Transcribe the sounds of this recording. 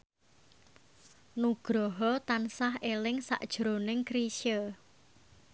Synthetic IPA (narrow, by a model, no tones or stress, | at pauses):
nuɡ̥ɾɔɦɔt̪ansaɦelɪŋsa̰ʔd̥ʒ̥ɾo̤nɪŋkɾiʃə